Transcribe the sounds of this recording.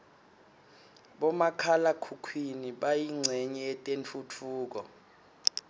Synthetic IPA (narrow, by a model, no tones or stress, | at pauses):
ɓɔmakʰalakʰukʰwiniɓajiŋ͡ǀʱɛɲɛːtʼent͡fʰut͡fʰuːk̬ɔ